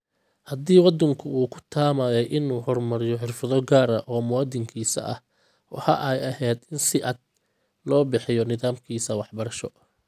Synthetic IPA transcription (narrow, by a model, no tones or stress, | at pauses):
hɐd̪iːwɑd̪ɐŋkʰʊuːkʰʊ̥t̪ʰaːmaːðɛjʔɪnuːhɔrmɐɾɪjɔħɪrfɐðɔɡaːɾɐʔɔːmʊwaːd̪ɪŋkʰiːsɐ̰ʔɐ̰h | wɑ̰ħɐʔɛjɐɦɛːd̪ɪnsɪʔɐd̪̚ | lɔːbɪħɪjɔnɪðaːmkʰiːsɐwɑħbɐɾɐʃɔ